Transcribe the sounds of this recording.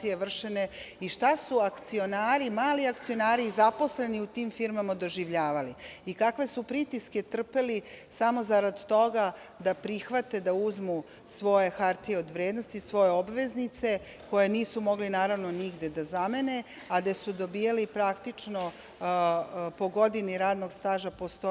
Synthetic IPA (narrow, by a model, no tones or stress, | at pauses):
ijeʋr̩ʂene̞iʃt̪asuakt̪sio̞naːɾimaːliakt̪sio̞naːɾizapo̞sle̞niut̪imfiɾmamad̪o̞ʒiʋʎaːʋaliikakʋe̞supɾit̪iske̞t̪r̩pelisamo̞zaɾad̪t̪o̞ɡa | d̪apɾixʋat̪e̞d̪auzmu | sʋo̞je̞xaɾt̪ieo̞d̪ʋɾeːd̪nost̪isʋo̞je̞obʋe̞znit̪se̞ | ko̞je̞niːsumo̞ɡlinaːɾaʋno̞niɡd̪e̞d̪azame̞ne̞ | ad̪asud̪obijalipɾakt̪it͡ʂno | po̞ɡo̞d̪iniɾaːd̪no̞ɡst̪aːʒapost̪o